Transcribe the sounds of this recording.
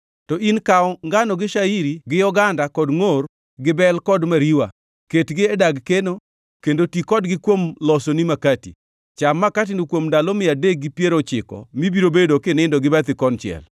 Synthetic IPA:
tɔʔinkaɔŋɡanɔɡɪʃaiɾiɡɪjɔɡandakɔdŋor | ɡɪbɛlkɔdmaɾiwa | ketɡɪɛdaɡkeno | kendotikɔdɡɪkwomlɔsonimakatḭ | t͡ʃamːakat̬inikwomndalɔmɪadek̚ɡɪpjeɾot͡ʃɪkɔ̰mibiɾobedokenɛɪndoɡɪbɛt̪ɪkɔnt͡ʃɪɛ̰l

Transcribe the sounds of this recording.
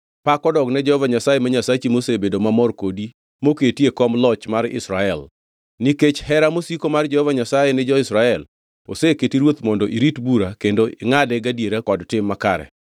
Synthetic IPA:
pakɔdɔɡnɛd͡ʒɛhɔvaɲasajemaɲasat͡ʃimosebedomamɔrkodi | moketjekɔmlɔt͡ʃmarɪ̰sɾaɛl | niket͡ʃhɛɾamosikomard͡ʒɛhɔvaɲasajenɪd͡ʒɔɪsɾaɛl | o̰seketiɾwot̪mɔndɔʔiɾitbuɾakendoɪŋadɛɡadjeɾakɔdtɪmːaka̰ɾɛ̰

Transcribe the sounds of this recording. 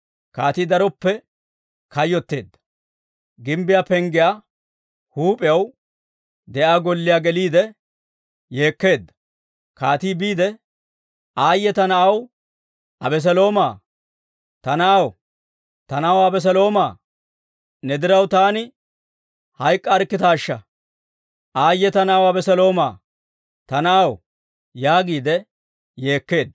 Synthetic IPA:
kaːt̪iːd̪ɐɾɔpːɛ | kɐjːɔt̪ːe̞ːd̪ːɐ̥ | ɡɪmbɪjaːpɛŋɡɪjaː | huːpʼɪjɐw | d̪ɛʔaːɡɔlːɪjaːɡɛliːd̪ɛ | je̞ːkːe̞ːd̪ːɐ̥ | kaːt̪iːbiːd̪ɛ | ʔaːjːɛt̪ɐnɐʔɐw | ɐbɛs̬ɛlo̞ːmaː | t̪ɐnɐɐw | t̪ɐnɐwɐbɛs̬ɛlo̞ːmaː | nɛd̪ɪɾɐwt̪aːnɪ | hɐjkʼːɐːɾkːɪt̪aːʃːɐ | ʔaːjːɛt̪ɐnɐɐwɐbɛsɛlo̞ːma̰ː | t̪ɐnɐɐw | jaːɡiːd̪ɛ | je̞ːkːe̞ːd̪ːɐ

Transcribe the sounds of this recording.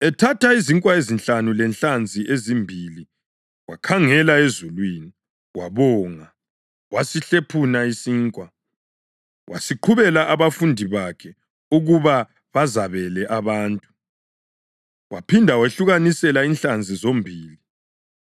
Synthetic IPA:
ɛtʰataiziŋkʼwaezinɬanulɛnɬand͡zʱiʔezimbʱili | wa̰kʰaŋɛlaezulwiːni | waβɔːŋa | wasiɬepʰunaisiːŋkʼwa | wʔa̰siǃʰuβɛlaʔaβafundʱiβakʰɛ | uɣuβa | βazaβɛlɛʔaβaːntʼu̥ | wʔa̰pʰindʱaweɬuɣanisɛlainɬand͡zʱizombʱiːli

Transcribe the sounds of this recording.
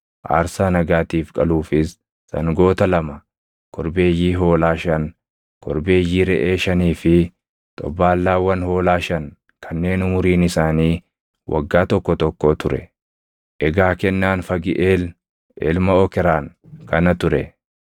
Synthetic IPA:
ʔa̰ːɾsaːnɐɡaːt̪iːfkʼɐluːfɪsː | ɐ̰ŋɡo̞ːt̪ɐlɐmɐ | kʰɔɾbe̞ːjːiːɦo̞ːlaːʃɐn | kʰɔɾbe̞ːjːiːɾɛʔeːʃɐniːfɪ | t̪ʼɔ̰baːlːaːwːɐnho̞ːlaːʃɐn | kʰɐnːe̞ːnʊmʊɾiːnɪsaːniː | wʔɐ̰ɡːaːt̪ɔkːɔt̪ɔkːoːt̪ʊɾɛ | ʔɛɡaːkɛnːaːnfɐɡɪʔeːl | ʔɛ̰lmɐɔkɛɾaːnkɐnɐt̪ʊɾɛ

